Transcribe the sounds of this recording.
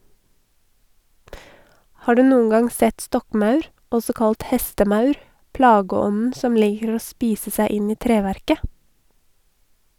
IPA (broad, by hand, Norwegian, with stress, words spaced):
ˈhɑː ˈɖʉː ˈnuːən ˈɡɑŋ ˈsɛt ˈstɔkˌmɑʉɾ ˈɔsɔ ˈkɑlt ˈhɛstəˌmœʉɾ ˈplɑːɡəˌɔnn̩ ˈsɔm ˈliːkəɾ ˈoː ˈspiːsə ˈsæɪ ˈɪn ˈiː ˈtɾeːʋæɾkə